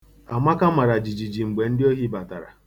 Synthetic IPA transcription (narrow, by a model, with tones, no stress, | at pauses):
a˨ma˦ka˦ma˨ɾa˨d͡ʒi˨d͡ʒi˨d͡ʒi˨ŋ͡m̩˨ɡ͡be˨n̩˦dɪ˦o˦ɦi˦ba˨ta˨ɾa̰˨